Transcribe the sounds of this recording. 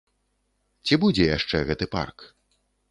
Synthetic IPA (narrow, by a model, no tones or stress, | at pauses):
t͡sʲibud͡zʲɛjaʂt͡ʂɛɣɛt̪ɨpa̰rk